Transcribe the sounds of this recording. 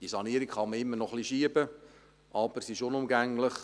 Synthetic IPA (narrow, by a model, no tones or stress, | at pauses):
d̥isɑniəɾikχɑməɪmːənɔχliʃiəbə | ʔɑb̥əsɪʃʊnʊmɡæŋləχ